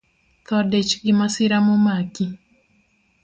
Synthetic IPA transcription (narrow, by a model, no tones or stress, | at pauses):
t̪ɔdet͡ʃɡɪmasɪɾamomaki